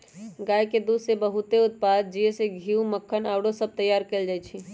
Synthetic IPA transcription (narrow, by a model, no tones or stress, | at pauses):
ɡaːjked̪ud̪sebəɦut̪eʊt̪̚paːd̪̚d͡ʒieseɡʱiuməkʰːənaːʊɽosəb̚t̪əjːaːɾkeld͡ʒajt͡ʃʰi